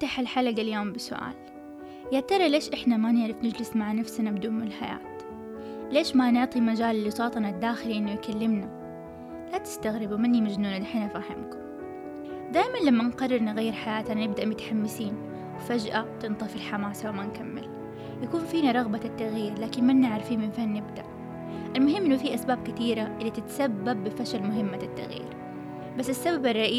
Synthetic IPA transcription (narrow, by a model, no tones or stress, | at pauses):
t̪aħalħalaɡaljoːmbɪsʊ̰ʔa̰ːl | jaʕt̪ɑɾˤɑleːʃʔɪħnamanɪʕɾɪfnɪd͡ʒlɪsmaʕnafsnabɪd̪uːnmnɪlħaja̰ːt̪ | leːʃmanɪʕt̪ˤimad͡ʒaːllːɪsˤɑːt̪ˤnad̪ːaːxɪliʔɪnːʊjkalːɪmna | lat̪ɪ̥st̪aɣɾɪbumɪnːimad͡ʒnuːnad̪ɪħɪnafaːhɪmkʊm | d̪aːjmanlamːanqɑrˤːɪɾnɪɣajːɪɾħajaːt̪annɪb̚d̪aʔmʊt̪ħamːɪsiːn | wfad͡ʒʔat̪ɨnt̪ˤɑfilħamaːsawamankamːɪ̰l | jakuːnfiːnaɾˤɑɣbat̪ːaɣjiːɾlaːkɪnmanːɪʕɾfiːnmɪnfahnːɪbd̪aʔ | ʔɪlmʊɦɪmːʔɪnːʊfiːʔasbaːb̚kɪt̪iːɾaʔɪlːit̪ɪt̪sabːabːɪfaʃalmʊɦɪmːaɪt̪ːa̰ɣjḭːɾ | basːɪsːababarˤːɑʔiː